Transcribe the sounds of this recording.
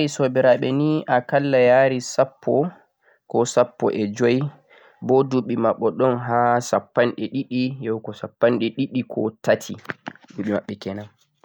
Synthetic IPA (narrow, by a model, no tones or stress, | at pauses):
aɾisobɛɾaɓɛniʔakalːajaːɾisapːɔ | kɔsapːɔ̰ʔɛd͡ʒɔj | bɔduɓːimaɓːɔɗɔnɦasapːanɗɛɗiɗijɔwkɔsapːanɗɛɗiɗikʰɔ̰tatʰḭduɓima̰ɓːɛkɛnam